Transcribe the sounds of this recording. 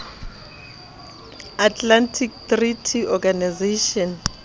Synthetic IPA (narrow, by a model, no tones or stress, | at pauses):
atʰlantʰik̚tritʰiɔɡanizeʃɔn